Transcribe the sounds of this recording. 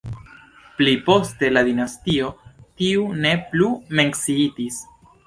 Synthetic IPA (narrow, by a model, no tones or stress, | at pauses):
plipo̞ste̞lad̪inastio̞tiune̞plume̞ŋksiitis